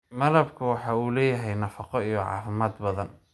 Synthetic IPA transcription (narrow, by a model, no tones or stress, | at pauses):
mɐlɐbkʰɐwɑħɑːuːlɛːjɐɦɛjnɐfɑqɔijɔʕɑ̰ːfɪmaːd̪bɐðɐn